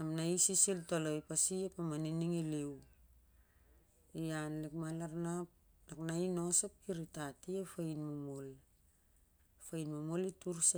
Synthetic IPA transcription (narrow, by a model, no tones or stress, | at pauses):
amnaisisiltoloipasiepamaniniŋilew | ianlikmalaɾnap̚naknaino̞sap̚kiɾitatiefajnmomol | fajnmamolituɾsa